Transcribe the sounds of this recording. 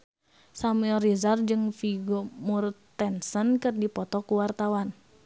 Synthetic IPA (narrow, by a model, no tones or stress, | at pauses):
samuɛlrizard͡ʒɨŋfiɡomurt̪ɛnsənkɨrdipɔt̪ɔkuwart̪awan